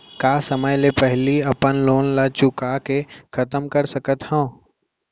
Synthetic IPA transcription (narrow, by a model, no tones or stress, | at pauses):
kaːsəməjlepɛɦliɐpənloːnlat͡ʃʊkakekʰɐt̪əmkəɾsəkət̪hɛ̃ː